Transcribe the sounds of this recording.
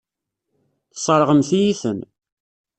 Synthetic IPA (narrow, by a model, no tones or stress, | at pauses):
θə̥sˤəɾˤʁəmθijiθən